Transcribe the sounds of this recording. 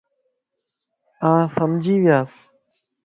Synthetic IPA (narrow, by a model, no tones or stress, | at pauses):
ãːsəmd͡ʒʱiːʋɪjaːs